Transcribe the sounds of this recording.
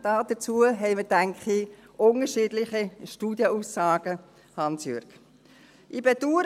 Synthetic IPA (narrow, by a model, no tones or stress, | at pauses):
d̥ɑːd̥ət͡suəɦɛɪmədæŋkχi | ʔʊnəɾʃiːdlɪχiʃtuːd̥jəuːsːɑːɡ̥ə | hɑnsjøɾk | ʔibɛduːɾ